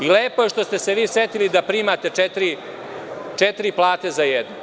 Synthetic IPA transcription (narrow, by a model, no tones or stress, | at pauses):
ileːpo̞jeʂt̪ost̪e̞seʋiːset̪ilid̪apɾiːmat̪e̞t͡ʃet̪ɾi | t͡ʂet̪ɾiplˠaːt̪e̞zajed̪nu